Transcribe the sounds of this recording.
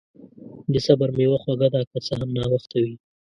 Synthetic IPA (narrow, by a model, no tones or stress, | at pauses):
d̪ɪsabaɾmewaxwaɡad̪akat͡səɦamnɑwaxt̪awi